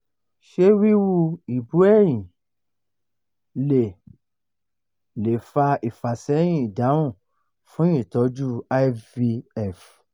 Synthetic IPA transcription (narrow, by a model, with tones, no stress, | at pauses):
ʃe˦wi˦wu˦˨i˨bu˨˦ɛ˦˨j̃ĩ˨ | le˨ | le˨fa˧i˨fa˨sɛ˨˦j̃ĩ˦˨i˨da˨˦w̃ũ˦˨ | fũ˦jĩ˦˨tɔ˨˦d͡ʒu˦a˦vi˧ɛ˦˨f